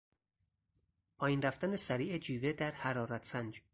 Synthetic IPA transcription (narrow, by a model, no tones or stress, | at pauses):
pʰɒːjinɾæft̪ænesæɾiːʔed͡ʒiːved̪æɾhæɾɒːɾæt̪ʰsænd͡ʒ